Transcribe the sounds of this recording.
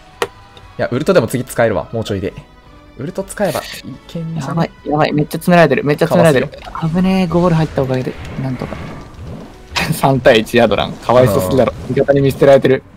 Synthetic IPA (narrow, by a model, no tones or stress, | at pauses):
jaʔɯ̟ɾɯt̪o̞d̪e̞mo̞t͡sɨɡʲit͡sɨ̥kaeɾɯ̟βa̰moːt͡ɕoid̪e | ɯ̟ɾɯ̟t̪o̞t͡sɨ̥kae̞ba̰ikʰẽɲjabaijaβaḭme̞t͡ɕːat͡sɨmeɾaɾe̞t̪̬e̞ɾɯ̟me̞t͡ɕːat͡sɨmeaɾet̪eɾɯkabɯ̟ne̞ɡo̞ːɾɯ̟ɦait̪ːaokaɡed̪enãnt̪o̞ka̰ | sãnt̪aiit͡ɕiad̪o̞ɾã̰ŋkʰaβaisosɨkʲid̪aɾoːmʲikat̪aɲ̟imʲist̪eɾaɾe̞t̪e̞ɾɯ̟